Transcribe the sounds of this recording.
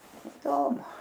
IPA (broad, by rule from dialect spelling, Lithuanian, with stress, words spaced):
ɪˈdoːmʊ